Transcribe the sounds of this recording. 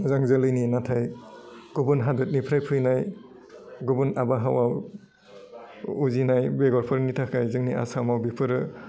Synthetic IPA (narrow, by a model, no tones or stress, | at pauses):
mɯzaŋzɯlɯjninatʰajɡ̥ubunɦadɯt̚nipʰɾajpʰɯjnaj | ɡɔbunabaɦawaw | uzinajbeɡɔɾpʰɯɾnitʰakʰajzɯŋnia̰samawbipʰɯɾɯ